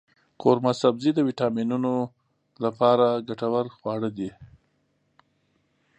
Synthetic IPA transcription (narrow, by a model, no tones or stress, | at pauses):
koɾmasabzid̪əwiʈɑminuno | lapɑɾaɡaʈawaɾxwɑɽəd̪i